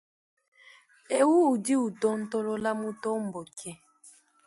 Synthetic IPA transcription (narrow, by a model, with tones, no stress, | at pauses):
e˨wuː˦˨di˦u˨tɔ˦n̩˦tɔ˦lɔ˦la˦mu˦tɔ˦m̩˨bɔ˨kʰɛ˦